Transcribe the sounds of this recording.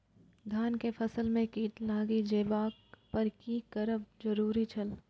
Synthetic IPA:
d̪ʱaːnkepʰɐsəlmẽkiːʈlaːɡid͡ʒeːʋaːkpɐɾkikəɾəb̚d͡ʒɐɾuːɾit͡ʃʰɐl

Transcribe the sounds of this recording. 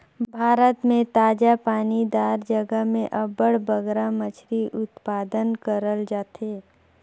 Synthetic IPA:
bʱaːɾət̪mẽt̪aːd͡ʒapaːnid̪aːɾd͡ʒəɡəɦmẽʔɐbəɽbəɡɾamət͡ʃʰɾiʔʊt̪paːd̪ənkəɾəld͡ʒaːt̪eː

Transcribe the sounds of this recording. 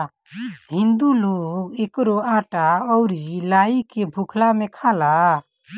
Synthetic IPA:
ɦind̪ulokɛkɾɔaʈaɔwɾilaikɛbʱukʰlamɛkʰala

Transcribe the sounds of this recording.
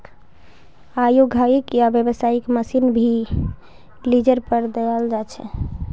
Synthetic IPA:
ajoɡʱaikjabjəbəsaikməsinbʱi | lid͡ʒəɾpəɾd̪əjald͡ʒat͡ʃʰɛ̰

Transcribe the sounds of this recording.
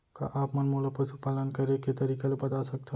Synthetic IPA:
ka̰ʔaːpmɐnmoːləpəsupaːlənkɐɾeket̪ɐɾiːkelebɐt̪asɐk̚t̪ʰeɦ

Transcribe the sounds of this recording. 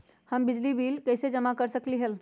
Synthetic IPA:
həmbɪd͡ʒlibiːlkəɪsed͡ʒəmakəɾsəkliɦəl

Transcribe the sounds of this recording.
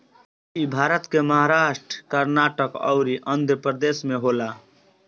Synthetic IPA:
ibʱaɾət̪keməɦaɾaʃʈɾəkəɾnaʈəkɔ̰ʊɾiʔənd̪ʱəpɾəd̪esmeɦola

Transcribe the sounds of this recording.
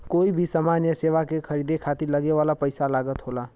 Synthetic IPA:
koibʱisaːmanjəseʋakekʰəɾid̪ekʰat̪iɾləɡeʋalapəɪsalaɡət̪ɦola

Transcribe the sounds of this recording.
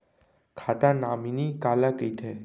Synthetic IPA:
kʰat̪ãnaminikalakəit̪ʰe

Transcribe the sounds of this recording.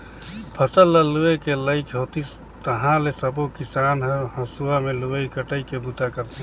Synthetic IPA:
pʰəsəlːəluekeləɪkʰɦot̪is | t̪əɦãlesəbokisanɦeɦəsuameluəikəʈəikebut̪akəɾt̪i

